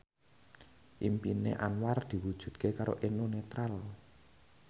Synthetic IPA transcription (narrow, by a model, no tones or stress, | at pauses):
ʔimpinḛʔanward̪̥i̤wud̥ʒ̥ṳd̪̚kekaɾo̰ʔenunet̪ɾal